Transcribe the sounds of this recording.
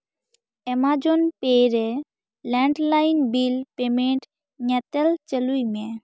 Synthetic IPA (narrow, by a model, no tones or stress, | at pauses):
ɛmad͡ʒonpeɾe | lɛɳɖlajnbilpemeɳʈ | ɲɛt̪elt͡ʃəlujmɛ